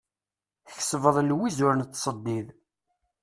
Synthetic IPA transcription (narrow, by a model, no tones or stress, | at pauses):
θçsvəðˤlwizʊɾənt̪ːsˤəd̪ːið